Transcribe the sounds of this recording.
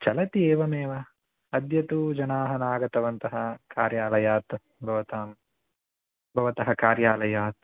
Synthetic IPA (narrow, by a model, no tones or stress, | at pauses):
t͡ʃɐlɐt̪ieːʋɐmeːʋɐ | ɐd̪jɐt̪ud͡ʒɐnaːɦɐnaːɡɐt̪ɐʋɐnt̪ɐɦɐkaːɾjaːlɐjaːt̪ | bʱɐʋɐt̪aːm | bʱɐʋɐt̪ɐɦɐkaːɾjaːlɐjaːt̪